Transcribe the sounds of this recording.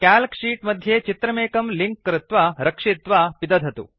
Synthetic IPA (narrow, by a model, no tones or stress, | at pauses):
kaːlkʂiːʈmɐd̪ʱjeːt͡ʃit̪ɾɐmeːkɐmliŋkːɾɪt̪ʋaɾɐkʂit̪ʋapid̪ɐd̪ʱɐt̪ṵ